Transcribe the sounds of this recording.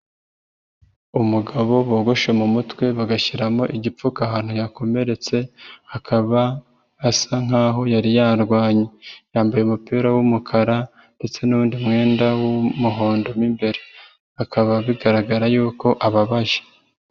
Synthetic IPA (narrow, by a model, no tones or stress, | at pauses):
umuɡaβo̞βoɡo̞ʃemumutwe̞βaɡaçiɾamo̞ʔiɟip͡fukaɦaːn̥hujako̞me̞ɾe̞t͡se̞akʰaβaː | saŋ̥aːɦo̞jaɾijaːɾɡwaːɲejaːmbajeumupiːɾawumukʰaɾa | nde̞t͡se̞nuβuːndimŋe̞ːndawumuɦo̞ːndo̞mimbe̞ɾe | akʰaβaβiɡaɾaɡaɾajuːko̞ʔaβaβaʒe̥